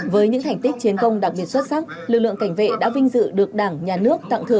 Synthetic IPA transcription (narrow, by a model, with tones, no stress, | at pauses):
vəː˨˦jɲɨ̰˧˥ŋt̪ʰa˨˩jŋ̟t̪i˦˥k̟̚t͡ɕi˨˦ənkə˧wŋ͡mɗa˨˩k̚ɓi˨˩ət̚swə˦˥t̚sa˦˥k̚ | lɨ˨˩k̚lɨ̰˧əŋka˧˩jŋ̟vḛ˧˨ɗa̰ː˧˥vï˧ŋ̟zɨ̰˧˨ɗɨ˨˩ək̚ɗaː˧˩ŋɲaː˨˩nɨ˦˥ək̚t̪a̰˧˨ŋt̪ʰɨ˨˧˩ə